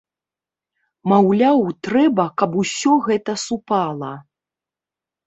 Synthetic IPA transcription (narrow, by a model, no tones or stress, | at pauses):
mawlʲawt̪ɾɛbɐkɐpusʲɔɣɛt̪ɐsupalˠɐ